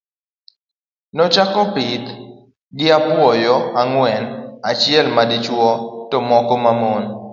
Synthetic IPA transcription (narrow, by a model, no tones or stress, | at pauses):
nɔt͡ʃakɔpɪt̪ | ɡɪapwɔjɔaŋwɛnat͡ʃɪɛlmadɪt͡ʃwɔtɔmɔkɔmamon